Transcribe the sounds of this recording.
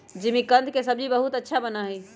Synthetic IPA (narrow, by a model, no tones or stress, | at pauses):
d͡ʒimikənd̪ʱkesəb̚d͡ʒibəɦut̪ətːʃʰabənaɦɛj